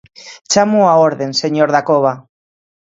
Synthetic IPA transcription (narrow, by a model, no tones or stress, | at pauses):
t͡ʃamuaoɾðe̞nse̞ɲoɾðakoβ̞a